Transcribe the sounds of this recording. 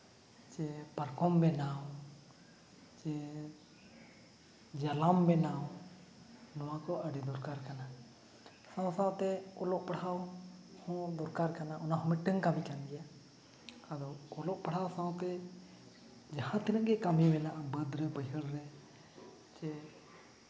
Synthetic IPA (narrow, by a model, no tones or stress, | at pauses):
t͡ʃɛpaɾkɔmbɛnaw | t͡ʃɛ | d͡ʒalambɛnaw | nɔwakɔəɖɛd̪ɔɾkaɾkana | sãwsãwt̪ɛɔlɔʔ̚paɽ̤awhɔ̃d̪ɔɾkaɾkanaʔɔnaɦɔ̃mɪʈːəŋkamikand̪ija | ad̪ɔɔlɔʔpəɽ̤awsãwt̪ɛ | d͡ʒahãt̪əɾə̃ɡɛkamibɛnaʔbəd̪ɾɛpəɦəɽɾɛ | t͡ʃɛ